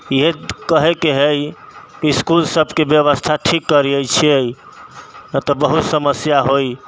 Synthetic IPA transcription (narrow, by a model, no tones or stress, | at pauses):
jekəɦekeɦejkiskulsəbʱkebjəʋəst̪ʰaʈʰikːəɾiəjt͡ʃʰiəj | ət̪ɔbəɦut̪səməsjaɦoj